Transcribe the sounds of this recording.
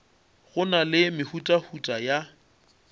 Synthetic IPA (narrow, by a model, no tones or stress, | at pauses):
ɣʊnalɪmɪhutʼahutʼaja